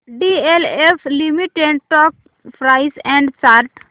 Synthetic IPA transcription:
ɖieleflimiʈeɳɖʈɔːk̚ | fɾaɪsɛ̃ɳɖsaɾʈ

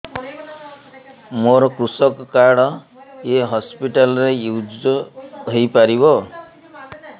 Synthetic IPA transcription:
moɾkrusʌkkːaɽʌ | eɦʌspiʈalrejud͡ʒʌdʱʌjpaɾibo

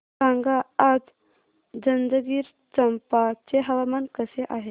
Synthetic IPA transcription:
ãŋɡaːd͡z | d͡zənd̪əɡiːɾ | t͡səmpat͡seɦəʋamankəseʔaɦe

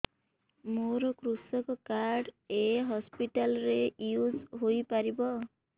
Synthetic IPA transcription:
moɾɔkɾusɔkɔkaɾɖeɦɔspiʈalɾejuzɦojpaɾibɔ

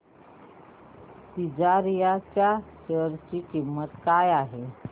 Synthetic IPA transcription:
sid͡zaɾjat͡ɕjaɕəɾt͡ɕikimːət̪kajaɦe

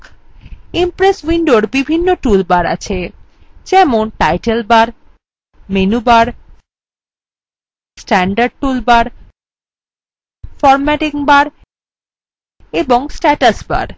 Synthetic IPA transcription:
impɾeswiɳɖoɾbibʱinːoʈulbaɾa̰t͡ɕʰe | d͡ʑɛmonʈajʈelbaɾ | menubaɾ | sʈɛɳɖaɾɖ̚ʈulbaɾ | fɔɾmɛʈikbaɾ | eboŋsʈɛʈasba̰ɾ

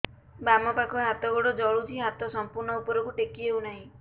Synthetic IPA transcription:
bamɔpakɔɦat̪ɔɡoɽɔd͡ʒɔɭut͡ʃʰiɦat̪ɔsɔmpuɾɳɔupɔɾɔkuʈekiɦewnaɦĩ

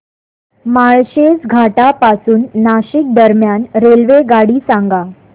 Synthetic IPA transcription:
maɭɕed͡zɡʱaʈapasuːnːaɕik̚d̪əɾmjanɾelʋeɡaɽiːsãŋɡa

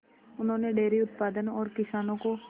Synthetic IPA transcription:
ʊn̤õːneɖeːɾiʊt̪̚paːd̪ənɔːɾkɪsaːnõko

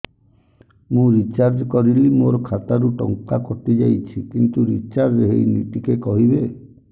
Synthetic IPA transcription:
mũɾit͡ʃaɾd͡ʒkɔɾilimoɾɔkʰat̪aɾuʈɔŋkakɔt̪id͡ʒajt͡ʃʰikint̪uɾit͡ʃaɾd͡ʒɦḛjnḭʈikekɔɦibe

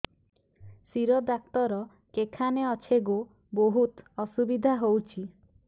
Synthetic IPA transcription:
siɾɔd̪ak̚t̪ɔɾɔ | kekʰaneɔt͡ʃʰeɡo | boɦut̪ɔsubid̪ʱaɦowt͡ʃʰi

